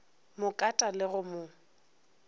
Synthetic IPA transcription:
mʊkʼatʼalɪɣʊmʊ

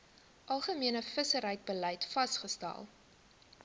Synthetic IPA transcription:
ʔɐlˠχəmiənəfəsəɾɦəjt̚bələjtfɐsχəstæ̰lˠ

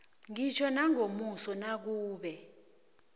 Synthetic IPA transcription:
ŋit͡ʃʰɔnaŋomusɔnak̬uːɓɛ

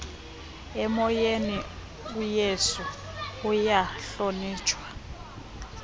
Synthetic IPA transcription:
ɛmɔjeni | ujesuː | jaɬoniːt͡ʃʰʼwa

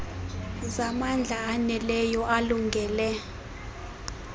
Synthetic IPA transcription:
zamand͡ɮʱaːnɛlɛjɔʔaluŋɡʱɛːlɛ

